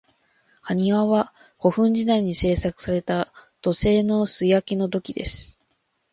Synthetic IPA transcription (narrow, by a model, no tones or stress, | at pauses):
haɲ̟iɡaβa | ho̞ɸɯ̟̃ɲ̟d͡ʑid̪aiɲ̟ise̞ːsakɯ̟̥saɾe̞t̪at̪o̞se̞ːno̞sɨjakʲino̞d̪o̞kʲid̪e̞sɨ̥